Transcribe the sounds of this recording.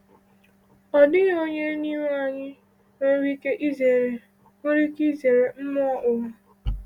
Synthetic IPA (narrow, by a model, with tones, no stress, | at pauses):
ɔ˨dɪ˦ɣo˦ɲe˦ni˦me˦a˨ɲɪ˦ | e˦ɾi˦ke˦ʔi˦ze˨ɾe˨ | o˦ɾi˦ki˦ze˨ɾe˨m̩˦mɔ˦ɔ˦ʔʊ˨ʊ˦